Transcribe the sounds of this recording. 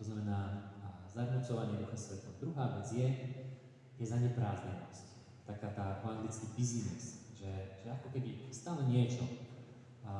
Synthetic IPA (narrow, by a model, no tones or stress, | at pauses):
t̪ɔznamɛnaːzaɾnut͡sɔʋaɲɪɛd̪uxɛmsʋɛt̪ɔmd̪ɾuɦaːʋɛd͡zjɛ | jɛzaɲɛpɾaːzɲɛnɔsc | t̪akaːt̪aːaŋɡlit͡skipizinɛsʒɛʒ̥ɛakɔkɛbiust̪aːlɛɲɪɛt͡ʃɔ̰